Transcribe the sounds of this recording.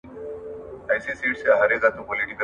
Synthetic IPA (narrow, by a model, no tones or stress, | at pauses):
ajsisiːʈseɦɐɾeɡat̪ũpoliʈikə